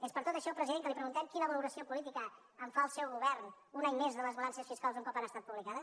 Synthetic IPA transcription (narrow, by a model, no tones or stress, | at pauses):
espəɾt̪ot̪əʃɔlˠpɾəziðeŋkəlipɾəɣunt̪ɛmkinəβəluɾəsiopulit̪ikəː | ɱfaəlˠsɛwɣuβ̞ɛrn | unaɲmezðələzβəlansəsfiskalˠzuŋkɔpanəst̪at̪̚puβlikaðə